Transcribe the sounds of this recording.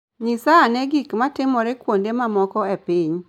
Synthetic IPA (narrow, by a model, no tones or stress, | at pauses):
ɲisaːneɡikmatɪmɔɾekwondemamɔkɔepɪɲ